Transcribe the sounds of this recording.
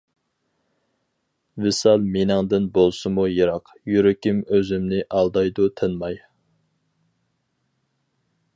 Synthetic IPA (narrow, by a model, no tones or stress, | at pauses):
vɪsɑlˠmenɪŋd̪ɪnbolˠsɨmujɨɾɑq | jyɾɪkʲimøzymnɪʔɑlˠd̪ɑjd̪ut̪ʰɨnmɑj